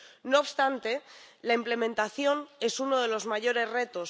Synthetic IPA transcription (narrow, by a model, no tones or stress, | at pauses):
no̞ːpst̪ant̪e̞laimple̞mẽnt̪aθjo̞ne̞suno̞ðe̞lo̞zmaʝo̞ɾe̞zre̞t̪o̞s